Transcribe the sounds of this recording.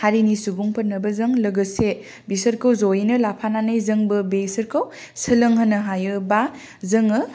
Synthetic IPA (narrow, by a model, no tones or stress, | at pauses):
haɾinisubuŋpʰɐt̚nːɐbɐzɯŋlɐɡɯse | bisɐɾkʰɯwzojnɯlapʰananɯjzɯŋbɯbesɐɾkʰow | sɯlɐŋɦɐnːɯɦajɯba | zɯŋɯ